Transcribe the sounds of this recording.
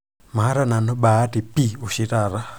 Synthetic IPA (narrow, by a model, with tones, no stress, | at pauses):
ma˨ɦa˦ɾa˦na˨nɔ˦ɓaː˨˦ti˨pi˦u˨ʃi˦ɾa˨ɾa˦